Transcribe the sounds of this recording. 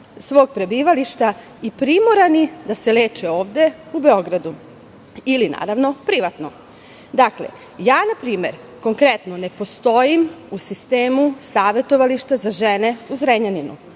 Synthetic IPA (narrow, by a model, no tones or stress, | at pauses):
sʋo̞ːɡ̚pɾe̞biːʋaliʃt̪a | ipɾimoɾanid̪asele̞ːt͡ʃeo̞ːʋd̪e̞ | ubeo̞ɡɾad̪u | ilina̰ːɾaʋno̞pɾiʋat̪no̞ | d̪akle̞̰ | jaːnapɾiːme̞ɾ | ko̞ŋkɾet̪nonepo̞st̪o̞jimusist̪eːmusaːʋe̞t̪o̞ʋaliʃt̪azaʒene̞uzɾeɲaninṵ